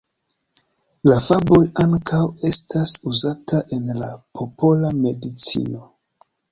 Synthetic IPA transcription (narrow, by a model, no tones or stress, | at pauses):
lafabo̞jaŋkʰawe̞stasuzataʔe̞nlapʰo̞pʰo̞lame̞dit͡sḭno̞